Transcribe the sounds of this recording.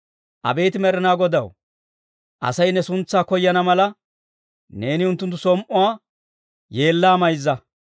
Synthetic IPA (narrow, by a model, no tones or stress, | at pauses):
ʔɐ̰be̞ːt̪ɪmɛɾɛnaːɡɔd̪ɐw | ʔɐ̰sɐjnːɛsʊnt͡sːaːkɔjːɐnɐmɐlɐ | ne̞ːnɪʊnt̪ːʊnt̪ːʊ̥sɔmʔɔwaː | je̞ːlːaːmɐjzːɐ